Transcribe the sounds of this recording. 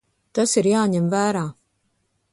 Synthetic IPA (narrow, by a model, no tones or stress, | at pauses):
t̪asiɾjaːɲɛmvæːɾaː